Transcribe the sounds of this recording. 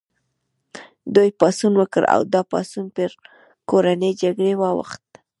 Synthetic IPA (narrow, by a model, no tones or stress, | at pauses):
d̪ujpɑsunwəkəɾa̰wd̪ɑpɑ̰sunpəɾ | koɾanəjd͡ʒaɡɽewɑwa̰xt̪